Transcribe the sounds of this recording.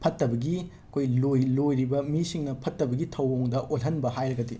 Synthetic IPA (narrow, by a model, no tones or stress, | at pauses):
pʰɐtːɐbɐɡi | kʰojlojlojɾibɐmisiŋnɐpʰɐtːɐbɐɡitʰɐwoŋdɐʔolɦɐnbɐhajɾɐɡɐdi